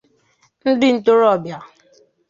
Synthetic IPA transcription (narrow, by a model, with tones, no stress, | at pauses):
n̩˦dɪ˦n̩˨to˦ɾɔ˦˨bja˨